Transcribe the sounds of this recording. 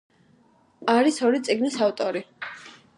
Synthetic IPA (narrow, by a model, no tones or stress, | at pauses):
aɾisɔɾit̪sʼiɡnisaft̪ʼɔɾi